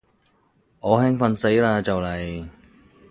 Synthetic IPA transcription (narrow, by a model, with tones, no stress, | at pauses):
ʔɔː˨˧hɛː˥ŋfɐ˧nse˨˥jlaː˧t͡sɐ˨wlɐ˨˩j